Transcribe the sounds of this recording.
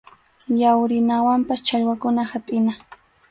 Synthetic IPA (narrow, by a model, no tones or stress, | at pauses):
jawɾɪnawampast͡ʃaʎwakʊnahapʼɪna